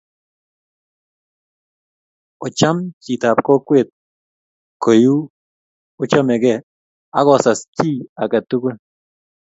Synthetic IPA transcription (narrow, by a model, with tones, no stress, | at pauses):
o˨t͡ʃa˦mt͡ʃi˨t̪a˨pko˦kʷe˦˨t̪̚ | ko˨ju˦ | o˦t͡ʃa˦me˨ɡɛ˦˨ | a˦ɡɔ˨sa˨st͡ʃi˦a˨kɛ˨t̪ːu˦ke˦